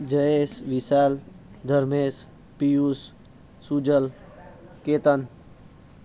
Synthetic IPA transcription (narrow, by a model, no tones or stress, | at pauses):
d͡ʒəesʋisaːl | d̪ʱəɾmeːs | pijusː | ud͡ʒəl | keːt̪ən